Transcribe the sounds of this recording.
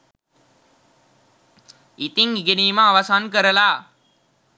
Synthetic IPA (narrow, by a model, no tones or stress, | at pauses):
it̪iŋiɡeniːməːʋasankəɾəlaː